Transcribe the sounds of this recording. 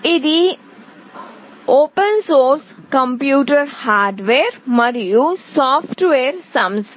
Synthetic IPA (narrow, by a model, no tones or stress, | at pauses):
id̪i | oːpənsoːɾskɐ̃mpjuːʈəɾhaːɾɖʋeːɾmɐɾijusaːpʰʈʋeːɾsɐms